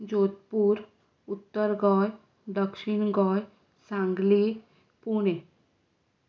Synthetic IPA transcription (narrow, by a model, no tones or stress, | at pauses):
d͡ʒoːt̪̚puɾ | ʊt̪ːəɾɡɔj | ɖəkʃinɡɔj | sãŋɡli | puɽ̃e